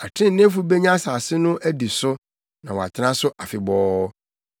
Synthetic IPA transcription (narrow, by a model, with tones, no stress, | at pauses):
a˨tʰɪ̃˦nɪ̃˦fu˦be˦ɲã˦saː˨sɪ˦nʊ̃˦ʔæ˦di˨sʊ˦ | nã˨wa̰˨tʰɪ˦ã˦sʊ˦ʔa˨fɪ˨bɔː˦